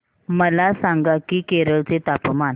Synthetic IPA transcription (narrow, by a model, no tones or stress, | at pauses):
məlasãŋɡakiːkeɾəɭt͡set̪apman